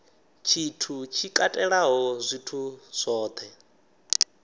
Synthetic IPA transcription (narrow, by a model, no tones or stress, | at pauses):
t͡ʃʰitʰut͡ʃʰikʼatʼɛɺaɦɔzʷitʰusʷɔːt̪ʰɛ